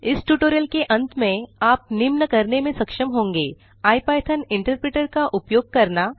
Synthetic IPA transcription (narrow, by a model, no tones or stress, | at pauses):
ɪsʈuːʈoːɾjəlkeʔɐ̃nt̪mẽaːp̚nɪmnəkɐɾnemẽsɐkʃəmɦõːŋɡeː | aːjpaːjt̪ʰənɪ̃ɳʈəɾpɾeːʈəɾkaʔʊpjoːɡ̚kɐɾna